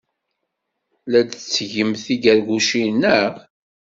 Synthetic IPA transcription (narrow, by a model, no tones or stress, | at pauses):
læd̪t͡sːʝəmθiɡæɾɡuʃinːəʁ